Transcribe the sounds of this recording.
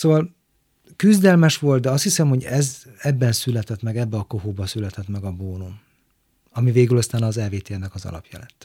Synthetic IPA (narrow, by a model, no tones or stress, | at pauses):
soːvɒl | kyzd̪ɛlmɛʃʋo̞lt̪̚d̪ɛɒst̪hisɛmho̞ɟɛzɛbːɛnsylɛt̪ɛt̪mɛɡɛbːɛɒkoɦoːbɒsylɛt̪ɛt̪mɛɡɒboːnum | ɒmiveːɡylɒst̪aːnɒːzɛlveːt̪eːnɛkɒzɒ̰lɒ̰pjɒ̰lɛt̪ː